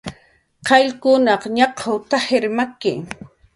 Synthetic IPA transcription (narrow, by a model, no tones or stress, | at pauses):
qɑʎkʊnɑqɲɑqʰawt̪aheɾmakɪ̰